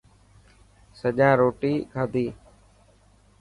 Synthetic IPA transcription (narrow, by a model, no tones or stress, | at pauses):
səʄãːɾoːʈiːkʰaːd̪ʱiː